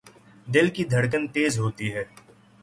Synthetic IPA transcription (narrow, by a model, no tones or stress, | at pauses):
d̪ɪlkid̪ʱɐɽk̬ənt̪eːzɦoːt̪iɦɛː